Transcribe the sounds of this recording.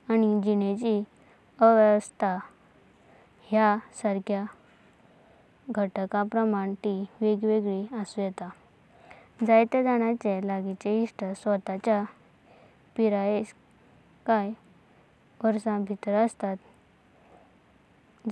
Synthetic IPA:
añid͡ʑinet͡ɕi | əʋɛʋəst̪ʰa | ɦjasəɾkʰja | ɡʱəʈəkapɾəmaɳt̪iʋeɡʋeɡɭiasujɛt̪a | d͡zajt̪ed̪aɽ̃at͡ɕelaɡit͡ɕeiʂʈəsʋət̪at͡ɕja | piɾaes | kaj | ʋəɾsãbʱit̪ɾəəst̪at̪

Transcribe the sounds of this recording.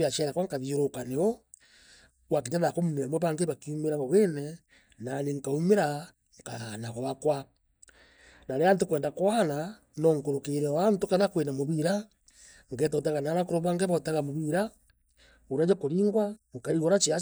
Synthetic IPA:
jaʃɛɾakwaŋkaðioɾokaneɔ | wakeɲaðakomunamwɔβaŋɡeβakiumeɾaβɔβenɛ | naneŋ̩kaumeɾa | ŋka̰anaɣɔβakwa | naɾɛant̬okwɛːndakwaana | nɔŋ̩koɾokeɾɛwantokaðakwenamoβiɾa | ŋɡɛtɔt̬aɣanaɾakoɾoβaŋɡeβataɣamoβiɾa | oɾad͡ʒakoɾiːŋɡwaŋkaɾiɣɔɾat͡ʃia

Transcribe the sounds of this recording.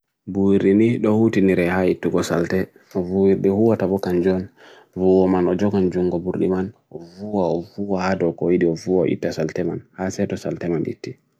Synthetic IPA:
buwiɾɗiniɗɔhutiniɾɛhaitːuɡɔsa̰ltɛ | ɔvuwiɾɗɛhuwatabɔkand͡ʒɔn | vuwɔmanɔd͡ʒɔɡand͡ʒuŋɡɔbuɾɗḭmanɔvuwaɔvuwahadɔkɔjiɗiɔvuwaɔ̰ʔḭtːasaltɛmanhasɛtɔsa̰ltɛmanʔḭtːi

